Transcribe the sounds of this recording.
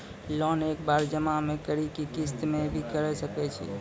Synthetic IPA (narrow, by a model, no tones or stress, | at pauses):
lɔnekbaɾd͡ʒəmamekəɾikikist̪mebʱikəɾɛsəkɛt͡ʃʰḭ